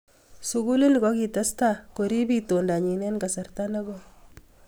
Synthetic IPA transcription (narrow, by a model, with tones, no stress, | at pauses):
suɡu˦li˦n˨kɔ˦ki˨ta˦sta˦ko˨ɾi˦bi˦tonda˨ɲi˨nɛ˦nka˨sɐ˨rtana˦ɡɔ